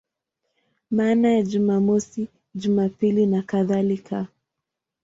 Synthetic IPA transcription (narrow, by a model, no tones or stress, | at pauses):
maːnajaʄumamɔsi | ʄumapilinakaðalikʰa